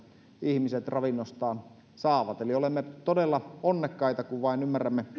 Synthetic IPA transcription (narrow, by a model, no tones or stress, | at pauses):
ihmiset̪rɑʋinːost̪ɑːn | sɑːʋɑt̪eliolemːet̪odelːɑonːekːɑit̪ɑkuʋʋɑinymːærːˑæmːe